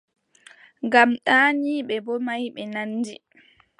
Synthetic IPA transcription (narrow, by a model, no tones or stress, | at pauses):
ŋɡamɗaːniːɓɛbɔmajɓɛnanːdi